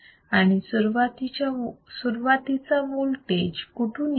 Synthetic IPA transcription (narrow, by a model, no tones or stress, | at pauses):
aɽ̃isuɾʋat̪it͡ɕasuɾʋat̪it͡samulʈed͡ʑkuʈʰun